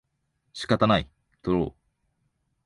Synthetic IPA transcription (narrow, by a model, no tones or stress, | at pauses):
ɕi̥kat̪anai | t̪oɾo̰ː